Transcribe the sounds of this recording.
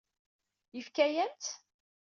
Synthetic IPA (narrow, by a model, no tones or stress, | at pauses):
jəfkæjænt͡s̪